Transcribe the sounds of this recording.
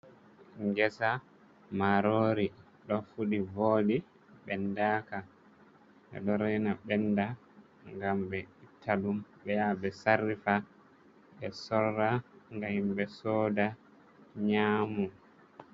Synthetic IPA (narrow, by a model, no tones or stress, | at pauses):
ŋɡɛsa | maɾoɾi | ɗɔfuɗivoːdi | ɓɛndaːka | ɛ̰ɗɔɾɛnaɓɛnda | ŋɡambɛitʰːaɗumɓɛjabɛsaɾifa | ɓɛsɔrːaŋɡahimbɛsɔːda | ɲaːmu